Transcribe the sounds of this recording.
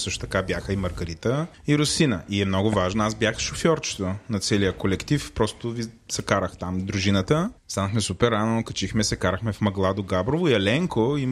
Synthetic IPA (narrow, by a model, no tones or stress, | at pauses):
sɤʃt̪o̥ʊt̪ɐkabjaxəimɐɾɡɐɾit̪ə | iɾʊsinəʔiɛmnɔɡʊvaʒnoasbjaxʃofjɔɾt͡ʃɪ̥t̪onɐt̪sɛlijəkolɛkt̪ifpɾɔst̪ʊvisɐkaɾəxt̪amd̪ɾuʒinət̪əst̪anəxmɛsupɛɾːanokɐt͡ʃixmɛsɛkaɾəxmɛfmɐɡlˠad̪ʊɡabɾovʊiɛlɛŋkoi